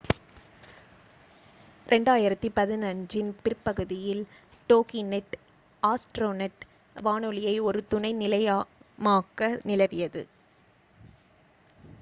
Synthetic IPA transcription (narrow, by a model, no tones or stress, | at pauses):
ɾʔɛɳɖaːjɪɾɐt̪ːɯpɐðɪnɐɲd͡ʒɪnpɪrpːɐɣɯðɪjɪl | ʈoːkinɛʈ | aːsʈɾoːnɛʈ | ʋaːnɯlɪjɐɪɔɾɯt̪ʊɳɐɪnɪlɐjaːmaːkːɐnɪlɐʋɪjɐðɯ̰